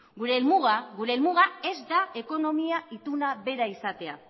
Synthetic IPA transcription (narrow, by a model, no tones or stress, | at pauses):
ɡuɾe̞lmuɣaɣuɾe̞ːlmuɣ̞ae̞zd̪ae̞ko̞no̞miait̪unaβe̞ɾaisat̪e̞a̰